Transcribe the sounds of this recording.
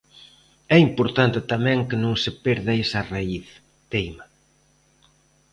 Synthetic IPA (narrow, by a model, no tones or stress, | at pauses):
ɛimpoɾt̪ant̪ɪt̪amɛ̃ŋkenõŋsepeɾðajsaraiθ | t̪ejma